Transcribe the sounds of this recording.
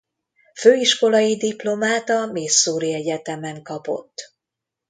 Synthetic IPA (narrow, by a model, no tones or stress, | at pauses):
føːiʃko̞lɒjid̪iplo̞maːt̪ɒmeːsːuːɾiɛɟɛt̪ɛmɛŋkɒpo̞̰t̪ː